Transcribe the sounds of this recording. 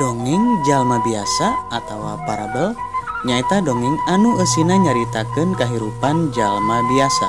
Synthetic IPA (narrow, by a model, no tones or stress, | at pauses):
dɔŋiŋd͡ʒalmabiasaːt̪awa̰paɾabəl | ɲait̪adɔŋiŋanuəsinaɲaɾit̪akɨnkaɦiɾupand͡ʒalmabiasa